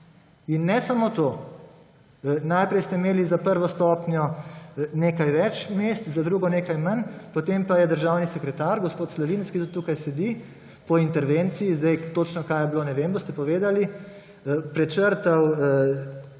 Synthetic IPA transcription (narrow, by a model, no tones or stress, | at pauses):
inːɛsamoːt̪o | najpɾɛjst̪ɛimeːlizapəɾʋɔst̪ɔːpnjɔ | neːkajʋɛt͡ʃmest̪zad̪ɾuːɡɔneːkajmɐnpɔt̪empajɛd̪əɾʒawnisɛkɾɛt̪aɾɡɔspoːt̪slɔʋiːnskit̪ut̪ːuːkajsɛd̪i | pɔint̪ɛɾʋent̪siizd̪ɛjt̪ot͡ʃnɔkajɛbloːnɛʋeːmbost̪ɛpɔʋeːd̪ali | pɾɛt͡ʃəɾt̪ɐw